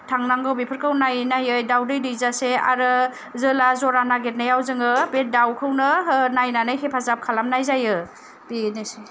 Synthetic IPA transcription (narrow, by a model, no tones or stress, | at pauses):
tʰaŋnaŋɡɯwbipʰɯɾkʰɯwnajnajɯjdawdɯjdɯjzasea̰ɾɯ | zɯlazɔɾanaɡet̚najawzɯŋɯbet̚dawkʰɯwnɯnajnanɯjkʰepʰazap̚kʰalamnajzajɯ | b̥inese